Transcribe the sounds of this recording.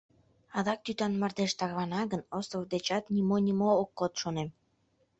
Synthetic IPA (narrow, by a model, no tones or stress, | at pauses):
ɑðɑk̚t̪yt̪ɑnmɑrd̪eʃt̪ɑɣβɑnɑɣənost̪əvd̪et͡ɕɑt̪nʲimonʲimoːkːot̪ʃonem